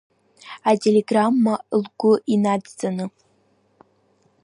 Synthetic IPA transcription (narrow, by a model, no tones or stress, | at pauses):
atʰʲelʲeɡramːalɡʷʊʔinad͡zz̥anɨ